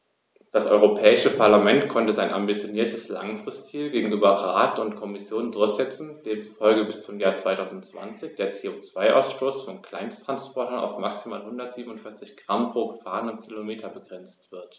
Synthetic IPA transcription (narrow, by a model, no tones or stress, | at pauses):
d̥asʔɔ̰ʏʁopʰɛːɪʃəpʰaɐlamɛntkʰɔntəzaɪnʔa̰mbit͡sjoniːɐtʰəsla̰ŋfʁ̥ɪsttiːlɡeːɡŋ̩ʔyːbɐʁaːtʊntkʰɔmɪsjoːndʊɐçz̥ɛt͡sn̩d̥eːmt͡su̥fɔlɡəbɪst͡sʊmjaːɐt͡sv̥aɪtʰaʊzn̩tt͡sv̥a̰nt͡sɪçd̥eːɐt͡seːot͡sv̥aɪʔa̰ʊsʃtoːsfɔnkʰl̥aɪnstʁ̥anspʰɔɐtɐna̰ʊfmaksimaːlhʊndɐtz̥iːbn̩ʊntfɪɐt͡sɪçɡ̥ʁ̥ampʁ̥oːɡəfaːʁənəmkʰilomeːtʰɐbəɡʁɛnt͡stv̥ɪɐt